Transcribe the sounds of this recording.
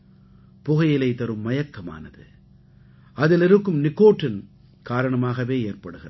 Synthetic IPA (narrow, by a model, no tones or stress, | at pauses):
pʊɣɐjɪlɐɪt̪ɐɾɯmːɐjɐkːɐma̰ːnɐðɯ | ɐðɪlɪɾɯkːɯmnɪkːoːʈrɪn | kaːɾɐɳɐmaːɣɐʋeːeːrpɐɽɯɣɪrɐ